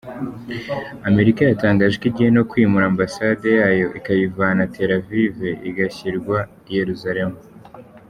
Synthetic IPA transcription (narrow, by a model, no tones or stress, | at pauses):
ame̞ɾikajataːŋɡaːʒekiɟihe̞no̞kwiːmuɾaːmbasade̞jaːjo̞ʔikajivanatʰe̞ɾavive̞ʔiɡaçiɾɡwa | je̞ɾuzaɾe̞mu